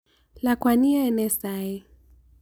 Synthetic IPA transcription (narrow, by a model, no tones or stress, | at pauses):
lakwanianɛsai